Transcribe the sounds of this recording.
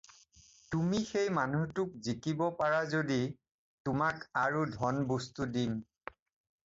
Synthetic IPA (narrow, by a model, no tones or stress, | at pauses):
tumixejmanutʊk̚zikibɔpaɹazodi | tʊmakaɹudʱɔnbostudin